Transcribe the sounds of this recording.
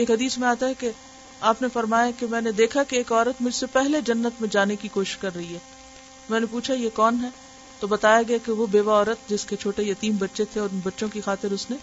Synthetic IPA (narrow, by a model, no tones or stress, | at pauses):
eːkɦɐd̪iːsmẽaːt̪aɦɛke | aːpnefɐɾmaːjakemɛ̃ːned̪eːkʰakeeːkɔːɾət̪mʊd͡ʒʱsepɛɦled͡ʒɐnːət̪mẽd͡ʒaːnekikoːʃɪ̥ʃkɐɾːɐɦiɦɛː | mɛ̃ːnepuːt͡ʃʰajekɔːnɦɛ | t̪obɐt̪aːjaɡɐjakeʋobeːʋaɔːɾət̪̚d͡ʒɪsket͡ʃʰoːʈejɐt̪iːmbɐtːʃet̪ʰeɔːɾbɐtːʃõkixaːt̪ɪɾʊsne